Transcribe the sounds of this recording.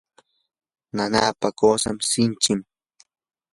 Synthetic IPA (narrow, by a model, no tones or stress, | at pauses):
nanaːpakoːsa̰msɪnt͡ʃɪm